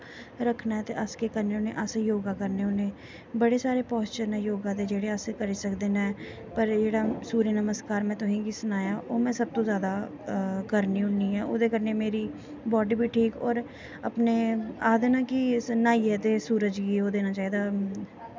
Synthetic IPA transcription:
ɾəkʰnaːɦɛt̪eʔəskekəɾneʊnẽʔasejoːɡakəɾneʊnẽː | bəɽesaːɾepɔːst͡ʃənɛ̃joːɡãd̪ed͡ʒeːɽeəsekəɾisəkd̪eːnaɦɛː | pəɾd͡ʒeːɽasuːɾjənəməskaːɾmɛ̃ːt̪ʊɦĩɡisʊnaːjaʔoːmɛ̃ːsəb̚t̪õzjaːd̪a | kəɾniʊnniɦɛːʔʊ̰d̪ekəɾnemeːɾi | bɔːɖibʱiʈʰiːkɔːɾ | əpneaːd̪enãːkinaːiɦɛːt̪esuːɾəd͡ʒɡiod̪eːnaːt͡ʃaːɦeːd̪aː

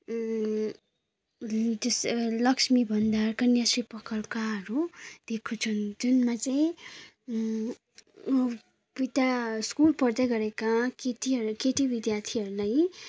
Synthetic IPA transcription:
d͡ʒʌslʌksmibʱʌnd̪arkʌnjasripʌkʌlkaʌɾud̪̥ekʰːut͡sʰʌnd͡zʌnmat͡saĩ | bit̪askulpʌɾd̪aɡʌɾekakeʈiʌkeʈibid̪jart̪ʰiʌɾulaj

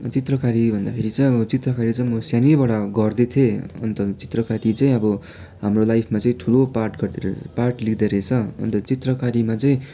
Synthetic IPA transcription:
t͡sit̪rʌkaɾibʱʌnd̪apʰeɾit͡saĩʌbʌt͡sit̪rʌkaɾit͡saĩmʌsjanibʌɽaɡʌrd̪et̪ʰjeʌnt̪ʌt͡si̥t̪rʌkaɾit͡saĩʌbʌ | ɦamrolajpʰmat͡saĩʈʰuloparʈɡʌrd̪eɾʌparʈlid̪eɾet͡sʰʌʌ̰nt̪ʌt͡sit̪rʌkaɾimat͡saĩ

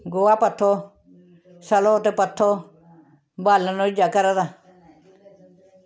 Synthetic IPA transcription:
ɡoapat̪ʰːo | salot̪ɛpat̪ʰːɔ | balanɔɪd͡ʒakaɾat̪a

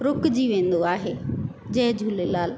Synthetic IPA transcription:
ɾʊkd͡ʑiːʋẽːn̆d̪oaːɦeː | d͡ʑɐ̃ɦd͡ʑʱuːlelaːl

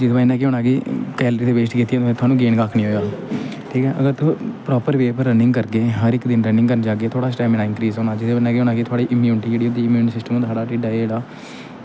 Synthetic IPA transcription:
d͡ʒɪt̪ːbaːnãːkeɦoːnaːɡiːkɛːləɾiːt̪eːʋeːʃʈkiːt̪ijãːt̪ːẽt̪ʊaːnũːɡeːnkaːkʰːnĩːɦoːjaː | ʈʰiːkɛːʔəɡəɾt̪ʊpɾɔːpəɾʋeːpəɾːənɪ̃ŋɡkəɾɡeːɦəɾɪkd̪ɪnɾənɪ̃ŋɡkəɾnd͡ʒaːɡeːt̪ʰoːɽaːsʈaːmɪnaːɪ̃ŋkɾiːzoːnaːd͡ʒɪt̪eənaːkeoːnaːɡiːt̪ʰaːɽiːʔɪmjuːnʈiːd͡ʒeːɽiːod̪iːɪmjuːnsɪsʈəmõːt̪saːɽaːʈiːɖaːd͡ʒeːɽaː

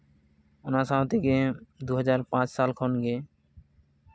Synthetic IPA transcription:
ɔnaʃãt̪ʰeked̪uɦʌd͡ʑaɾpãt͡ɕsalkʰɔnɡe

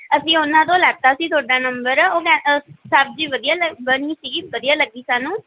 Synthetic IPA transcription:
əsĩːʊnãːt̪̬õːlɛːɡ̚t̪aːsĩːt̪ʰʊaːɖaːnəmbəɾoːkɛ̃ːsəb̚d͡ʒiːʋəd̪ijaːləbənĩːsiːɡiʋəd̪ijaːləɡiːsaːnũː

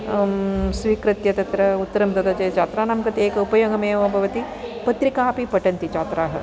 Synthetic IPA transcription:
sʋiːkɾɐt̪jɐt̪ɐt̪ɾɐut̪ːɐɾɐmt̪ɐt̪ɐt͡ʃɐt͡ʃaːt̪ɾaːnɐːmkɐt̪eːkɐupɐjɐɡɐmeːʋɐbʱɐʋɐt̪i | pɐt̪ɾikaːpipɐʈɐnt̪it͡ʃaːt̪ɾaːɦɐ̰

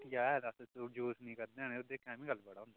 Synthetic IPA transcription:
jaːd̪assod͡ʒoːsnĩːkəɾd̪ẽnẽod̪eːkʰɛ̃ːmĩɡəlːbəɽaːõːnd̪a

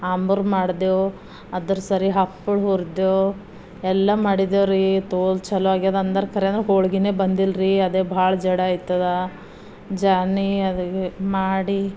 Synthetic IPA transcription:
aːmbuɾmaːɽd̪eo | ɐd̪ɐɾsɐɾiɦɐpːuɭɦuɾd̪eoː | ɛlːɐmaːɽid̪oːɾit̪oːlt͡ʃɐlʋaːɡiad̪ɐnd̪ɐɾɐkɐɾeɐnd̪ɾeɦoːɭɡineːbɐnd̪ilɾiɐd̪eːbʱaːɭɐd͡ʒɐɽaaːjt̪ːɐd̪ɐ | d͡ʒaːniɐd̪kemaːɽi

